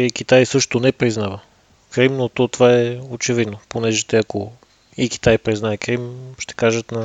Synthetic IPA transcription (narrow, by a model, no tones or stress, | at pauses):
ik̟it̪ajsɤʃt̪onɛpɾiznavə | kɾimnot̪ot̪ovaɛot͡ʃɛvid̪noponɛʒɛt̪ɛɐko | iki̥t̪ajpɾiznaɛkɾimʃt̪ɛ̥kaʒət̪nɐ